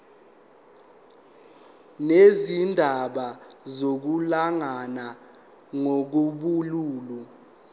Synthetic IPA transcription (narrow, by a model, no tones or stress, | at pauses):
nezindʱaɓazok̬ulaŋana | ŋok̬uɓuluːlu